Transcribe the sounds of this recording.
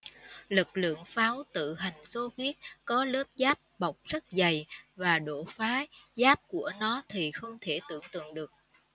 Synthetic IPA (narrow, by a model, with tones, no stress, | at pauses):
lɨ˨˩k̚lɨ̰˧˨əŋfaː˨˦wt̪ɨ̰˧˨ɦa˨˩jŋ̟so˧ɣwi˦˥ət̚kɔ˨˦ləː˦˥p̚zaː˦˥p̚ɓa˨˩wk͡p̚z̥ə˦˥t̚za˨˩jvaː˨˩ɗo˧˩˨faː˨˦zaː˦˥p̚ku˧˩ənɔ˨˦t̪ʰi˨˩xə˧wŋ͡mt̪ʰe˧˩t̪ɨ̰˧˨əŋt̪ɨ̰˧˨əŋɗɨ˨˩ək̚